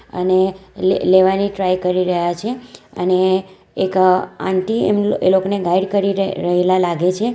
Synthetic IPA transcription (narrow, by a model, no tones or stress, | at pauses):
ə̰neleʋaniʈɾajkəɾiɾəɦjat͡ʃʰeə̰ne | ekã̰ɳʈiḛmḛlokoneɡaiɖkəɾiɾɾəɦelalaɡet͡ʃʰe